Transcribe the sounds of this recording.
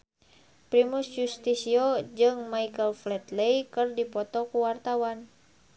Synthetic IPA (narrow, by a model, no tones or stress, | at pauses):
pɾimusjust̪isiod͡ʒɨŋmaikəlflɛt̪lejkɨrdipɔt̪ɔkuwart̪awan